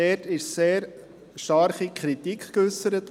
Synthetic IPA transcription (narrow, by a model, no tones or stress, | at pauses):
ɛtɪʃseːɾ | ʃtɑɾχikʰɾitikʰkʏsəɾət